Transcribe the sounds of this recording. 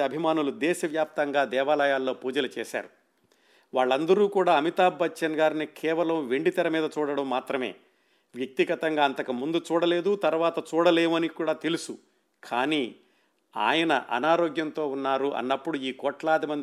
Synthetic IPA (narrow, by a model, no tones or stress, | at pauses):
ɐbʱimaːnulud̪ɛːʃɐʋjaːp̚t̪ɐŋɡaːd̪ɛːʋaːlɐjaːlːoːpuːd͡ʒɐlɐt͡ʃɛːʃa̰ːɾu | ʋaːɭːɐnd̪ɐɾuːkuːɽaːɐmit̪aːbːɐtt͡ʃɐnɡaːɾinikʰɛːʋɐlɐmʋeɳɖit̪ɐɾɐmiːd̪ɐt͡ʃuːɽɐɽɐmːaːt̪ɾɐme̞̰ː | ʋjɐk̚t̪iɡɐt̪ɐŋɡaːɐnt̪ɐkɐmund̪ut͡ʃuːɽɐleːd̪ut̪ɐɾʋaːt̪ɐt͡ʃuːɽɐleːmɐnikuːɽaːt̪elusu | kʰaːniː | a̰ːjɐnɐ̰ʔɐ̰naːɾoːɡjɐnt̪o̞ːunːaːɾuʔɐ̰nːɐpːuɽuiːkɔːʈlaːd̪imɐnd̪